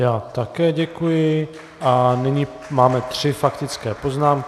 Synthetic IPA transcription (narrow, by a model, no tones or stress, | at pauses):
jaːt̪akɛːɟɛkujɪ | ʔanɪɲi | maːmɛt̪r̝̥ɪfakt̪ɪt͡skɛːpo̞znaːmk